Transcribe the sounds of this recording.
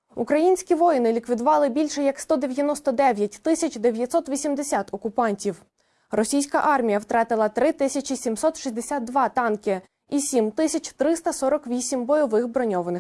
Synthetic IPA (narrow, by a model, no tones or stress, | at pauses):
ukɾɐjinʲsʲkʲiʋɔjnɪlʲikʋʲid̪ʊʋɑlˠɪbʲilʲʃɛjɐkst̪ɔd̪e̞ʋʲjɐnɔst̪ɔd̪ɛʋʲjɐtʲt̪ɪsʲɐt͡ʃd̪eʋʲjɐt̪sɔt̪ʋʲisʲimd̪esʲat̪ɔkʊpɑnʲtʲiw | rɔsʲijsʲkɐ̰ʔɑrmʲijɐwt̪ɾɑt̪ɪlˠɐt̪ɾɪt̪ɪsʲɐt͡ʃisʲimsɔt̪ʃisʲd̪esʲat̪̚d̪ʋɑt̪ɑnkʲɪ | isʲimt̪ɪsʲɐt͡ʃʲt̪ɾɪst̪ɐsɔɾɔkʋʲisʲimbɔjɔʋɪxbɾɔnʲɔʋɐnɪx